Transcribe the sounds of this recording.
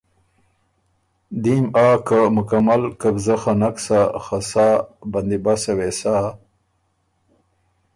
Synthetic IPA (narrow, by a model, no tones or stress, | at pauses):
d̪imaːkamʊkamalkabzaxanaksaxasaːband̪ibasawesaː